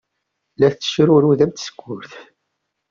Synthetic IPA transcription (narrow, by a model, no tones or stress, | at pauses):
læθt͡sːə̥ʃɾʊɾuðæmt̪ə̥skʷːʊɾθ